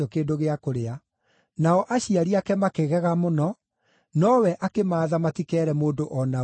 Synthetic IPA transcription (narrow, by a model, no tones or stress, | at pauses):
ɔkeːndoɣeakoɾea | naɔʔaɕiaɾiakɛmakeɣɛɣamonɔ | nɔwɛʔakemaːðamatikɛɾɛmoːdoʔɔna